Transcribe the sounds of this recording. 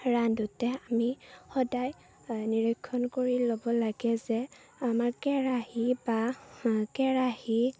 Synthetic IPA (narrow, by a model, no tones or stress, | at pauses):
ɹandutɛamixɔdaj | niɹɔkʰːɔnkoɹilobɔlaɡɛzɛ | amaɹkɛɹahiba | kɛɹahi